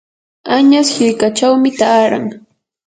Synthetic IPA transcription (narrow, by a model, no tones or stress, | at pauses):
aɲashɪɾkat͡ʃawmɪt̪aːɾa̰ŋ